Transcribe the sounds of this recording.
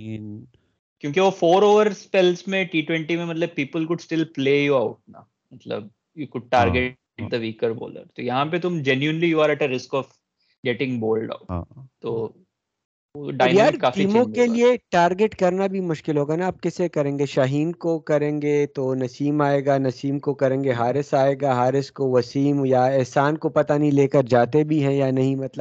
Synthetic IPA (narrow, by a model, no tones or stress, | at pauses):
kjõːk̬iʋofoːɾoːʋəɾspɛlsmẽʈiːʈwɛ̃ɳʈimẽmɐt̪ləb̚piːpəlkʊɖsʈɪlpleːjuaʊʈ̚na̰ | mɐt̪lə̰b̚ | juːkʊɖ̚ʈaːɾɡe | ʈ̚d̪əʋiːkəɾbo̰ːlə̰ɾt̪ojɐɦãpet̪ʊmd͡ʒɛnjuɪnlijuaɾɛʈəɾɪskɔf | ɡɛʈɪ̃ŋɡboːlɖa̰ʊt̪o | oɖaɔːɪ̃jaːɾkaːfʈiːmõkelieʈaːɾɡeʈkɐɾnabʱimʊʃkɪlɦoːɡanaaːp̚kɛsekɐɾẽːŋɡeʃaɦiːnkokɐɾẽːŋɡet̪onɐsiːmaːeːɡanɐsiːmkokɐɾẽːŋɡeɦaːɾɪsaːeːɡaɦaːɾɪskoʋɐsiːmjaɛɦsaːnkopɐt̪anĩleːkəɾd͡ʒaːt̪ebʱiɦɛ̃janɐɦĩmɐt̪ləb